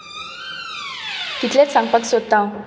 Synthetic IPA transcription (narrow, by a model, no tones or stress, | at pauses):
k̪it̪let͡ssãŋpək̪sod̪̚t̪ːãw